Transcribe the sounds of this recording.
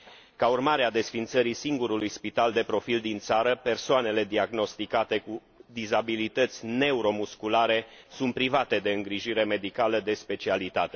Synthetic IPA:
kaurmaɾead̪e̞sfint̪səɾisiŋɡuɾulujspit̪ald̪e̞pɾo̞fild̪int̪saɾəpe̞rsoane̞le̞d̪iaɡno̞st̪ikat̪e̞ku | d̪izabilit̪ət̪sʲne̞uɾo̞muskulaɾe̞sunt̪pɾivat̪e̞d̪e̞ɨŋɡɾiʒiɾe̞me̞d̪ikaləd̪e̞spe̞t͡ʃialit̪at̪e̞

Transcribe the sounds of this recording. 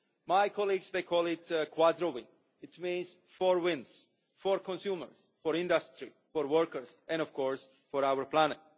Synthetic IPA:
majkʰɔliɡsd̪ejkʰɔlˠɪtkʰwad̪ɾowɪ̃n | ɪtmĩnz | fɔɹwɪ̃ns | fɔɾkʰɔ̃nsjumə̰ɹs | fɔɾɪ̃ndəstɹi | fɔɾwəɹkəɹsʔɛ̃nɔfkʰɔɹs | fɔɾawəɾpʰlænɛt̚

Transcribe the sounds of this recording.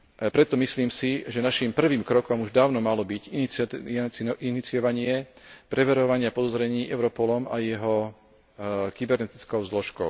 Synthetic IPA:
pɾɛt̪ɔmisliːmsiʒɛnaʃimpr̩ʋiːmkɾɔkɔmuʒd̪aːʊnɔmalɔbiɟinit͡s | init͡sijɔʋaɲɪɛpɾɛʋɛɾɔʋaɲɪapɔd̪ɔzɾɛɲiːʔɛʊɾɔpɔlɔmajɛɦɔ | kibɛɾnɛt̪i̥t͡skɔʊzlɔʃkɔʊ

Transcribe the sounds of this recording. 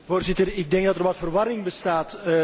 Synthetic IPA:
voːrzɪtərɪɡ̚dɛŋɡ̚dɑtərʋɑtfərʋɑɾɪŋbəstaːt

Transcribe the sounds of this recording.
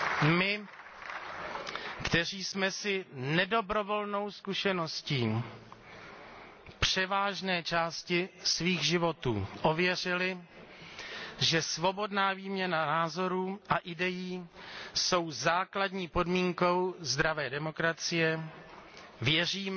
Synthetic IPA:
mɪ | kt̪ɛr̝iːsmɛsɪnɛdo̞bɾo̞vo̞lno̞wskuʃɛno̞sciː | pr̝̥ɛvaːʒnɛːt͡ʃaːscɪsviːɣʒɪvo̞t̪ṵːʔo̞vjɛr̝ɪlɪ | ʒɛsvo̞bo̞dnaːviːmɲɛnanaːzo̞ɾuːʔaʔɪdɛjiːso̞wzaːkladɲiːpo̞dmiːŋko̞wzd̪ɾavɛːdɛmo̞kɾat͡sɪjɛ | vjɛriːm

